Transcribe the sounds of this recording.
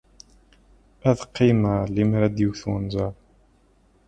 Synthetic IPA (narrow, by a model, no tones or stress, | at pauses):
æðqːiməɾlimɾæd̪juθunzɑɾˤ